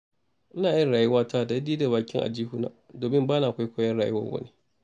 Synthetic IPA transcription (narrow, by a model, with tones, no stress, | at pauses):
ʔɪ˦naː˨˦ɐ˦nɽaː˨jʊ˦waː˦tʰaː˦˨da˨ɪ˦diː˦da˨βaː˨kʲɪ˦ŋʔa̰˨d͡ʒiː˦hu˦na̰ː˨ | doː˨mɪ˦mbaː˦na˨kʷa˦jkʷoː˦jɐ˦nɽaː˨jʊ˦wɐ̰˦wɐ̰˦ne˦